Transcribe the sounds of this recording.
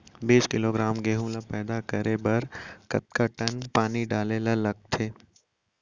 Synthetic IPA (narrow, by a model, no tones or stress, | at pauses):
biːskɪloɡɾaːmɡeːɦũlapɛːd̪akəɾebɐɾkɐ̰t̪̚kaʈənpaːniɖaːlelalɐɡ̚t̪ʰeː